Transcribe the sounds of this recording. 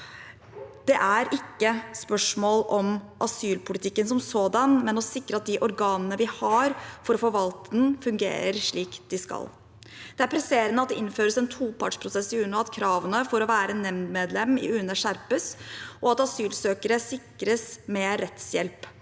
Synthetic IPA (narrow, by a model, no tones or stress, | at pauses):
d̪̥ɛʔæɾɪkːəspœʂmoːlʔɔmʔɑsyːlpʰʊlɪt̪ʰɪkːənsɔmsoːd̪ɑnmɛnɔsɪkːɾəɑt̪̚d̪ɪʔɔɾɡɑːnənəʋɪhɑɾfɔɾɔfɔɾʋɑlt̪əd̪nfʉŋɡḛːɾəɾʂɭiːkd̪̥ɪskɑ̰l | d̪̥ɛæɾpʰɾɛseːɾənəɑt̪̚d̪ɛʔɪnføːɾəsɛnt̪ʰuːpʰɑ̰ʈʂpʰɾʊsɛsːɪʉːnɔɑt̪kʰɾɑːʋənəfɔɾɔʋæːɾənɛmnd̪meːd̪lɛmɪ̰ʉnəʂæɾpəsʔɔɑt̪ɑsyːlsøːkəɾəsɪkɾəsmɛɾɛt̪sjɛlp